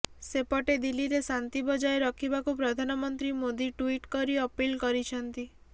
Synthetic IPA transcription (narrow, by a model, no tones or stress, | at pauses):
sepɔʈed̪ilːiɾesant̪ibɔd͡ʒaeɾɔkʰibakupɾɔd̪ʱanɔmɔnt̪ɾimod̪iʈuiʈkɔɾiɔpilkɔɾit͡ʃʰɔnt̪i